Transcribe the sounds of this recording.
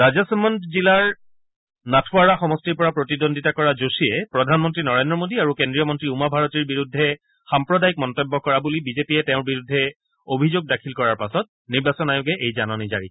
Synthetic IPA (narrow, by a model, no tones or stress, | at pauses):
ɹazasmɔntzilaɹ | natʰʊaɹaxɔmɔstiɹpɔɹapɹotidondʱitakɔɹazosiɛpɹɔdʱanmɔntɹinɔɹendɹɔmodiaɹukendɹijɔmɔntɹiumabʱaɹɔtiɹbiɹudʱːɛ | xampɹɔdajik̚mɔntɔbːɔkɔɹabulibizepiɛtɛʊ̃ɹbiɹudʱːɛ | obʱizoɡ̚dakʰilkɔɹaɹpasɔt̚niɹbasɔnajʊɡɛʔejzanɔniza̰ɹi